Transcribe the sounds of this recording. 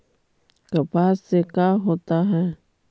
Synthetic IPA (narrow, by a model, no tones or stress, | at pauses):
kapasekaɦot̪aɦe